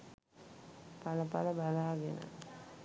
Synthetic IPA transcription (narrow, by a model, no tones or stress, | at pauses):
paləpaləbalaːɡenə̰